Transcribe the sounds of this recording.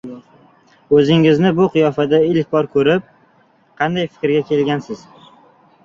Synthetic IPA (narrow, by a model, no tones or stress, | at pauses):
ɵzɪŋɪznɪbʊqʰɨjɒfad̪aɪlkʲbɒɾkʰɵɾɪp̚ | qʰɑnd̪ajfɪ̥kʲɾɡʲakʲʰe̞lɡʲansɪz